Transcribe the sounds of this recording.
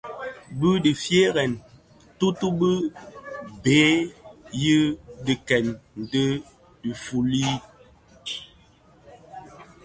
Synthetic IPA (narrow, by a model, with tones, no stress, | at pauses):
bɨ˦di˨fje˦ɣɛ˨n | tu˦tu˦bɨ˦ | beː˨˦jə˦di˨kɛ˨nn̩˨də˦ | di˨fu˨li˦